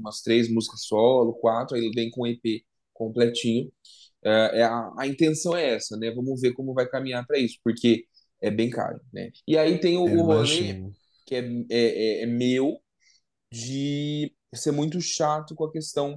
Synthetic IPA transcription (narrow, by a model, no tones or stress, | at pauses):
ũmɐst̪ɾesmuzikɐsɔlʊkwat̪ɾʊaielvẽj̃kõepe | kõplɛt͡ʃĩɲʊ | ɛɛaɐĩnt̪ẽsɐ̃w̃ɛɛsɐnɛvɐ̃mʊveɾkõmʊvajkamĩɲaɾpɾɐisʊ̥poɾkʰe | ɛbẽj̃ka̰ɾʊnɛ̰ɪait̪ẽj̃ʊːhole | kɪɛɛɛɛmew | d͡ʒɪ | seɾmũj̃t̪ʊʃat̪ʊkõɐkest̪ɐ̃w̃